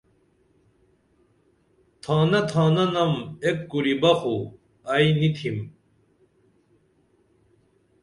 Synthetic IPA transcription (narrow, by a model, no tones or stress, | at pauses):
t̪ʰaːnɐt̪ʰaːnɐnɐmekːuɾibɐxu | ɐjnit̪ʰim